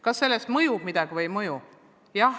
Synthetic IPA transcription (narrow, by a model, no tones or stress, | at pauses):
kɑsːe̞lːest̪mɤjumid̪̥ɑɡ̥ivɤjmɤju | jɑ